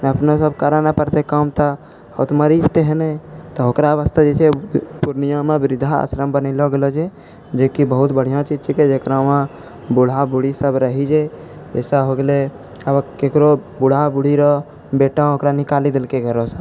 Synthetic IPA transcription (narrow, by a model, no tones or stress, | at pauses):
əpnosəbkaɾanapəɾt̪ekamt̪a | o̰t̪məɾist̪eɦenet̪ɔɦokɾaʋəst̪ʰad͡ʒet͡ʃʰepuɾnijãmẽbɪɾɪd̪ʱaa̰ːsɾəmbənɪlɔɡelɔd͡ʒe | d͡ʒeːkibəɦʊt̪bəɽ̤ijãt͡ʃid͡ʒt͡ʃʰiked͡ʒekɾãmã | bʊɽ̤abuɽisəbɾəɦid͡ʒe | d͡ʒɛːsaɦoɡele | əbkekɾobuɽ̤abuɽ̤iɾɔ | beːʈãɦokɾanikaːlid̪ɪlkeɡʱəɾõsə̃